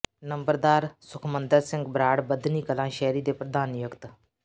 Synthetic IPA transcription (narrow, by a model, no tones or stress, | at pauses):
nəmbəɾd̪aːɾsʊkʰmənd̪əɾsɪ̃ŋɡbɾaːɽbəd̪niːkəlãːʃɛːɾiːd̪eːpɾəd̪aːnjʊkt̪